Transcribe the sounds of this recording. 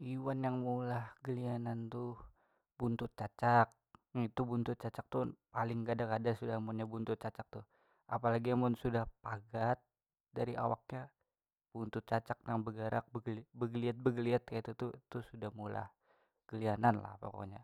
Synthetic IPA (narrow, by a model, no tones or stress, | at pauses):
iwanjaŋmulahɡəlianant̪u | bunt̪ʊt̪̚t͡ʃat͡ʃak̚it̪ubunt̪ʊt̪̚t͡ʃat͡ʃak̚t̪upalɪŋkadakadasudahmʊnɲabunt̪ʊt̪̚t͡ʃat͡ʃak̚t̪u | apalaɡiamʊnsudahpaɡat̪̚ | daɾiʔa̰wak̚ɲa | b̥unt̪ʊt̪̚t͡ʃat͡ʃak̚naŋbəɡəɾak̚bəɡlbəɡəliat̪̚bəɡəliat̪̚kait̪ut̪ut̪usudahmula̰h | ɡ̥əliananla̰hpa̰ko̰ɲa